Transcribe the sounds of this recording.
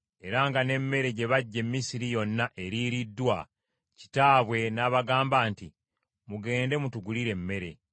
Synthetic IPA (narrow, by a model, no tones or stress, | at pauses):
e̞ɾaŋɡane̞mːe̞ɾe̞ɟe̞βaɟːe̞mːisiɾijo̞nːaʔe̞ɾiɾidːwa | ci̥taːβwe̞naːβaɡaːmbaːnti | muɡe̞ːnde̞mutuɡuliɾe̞mːe̞ɾe̞̰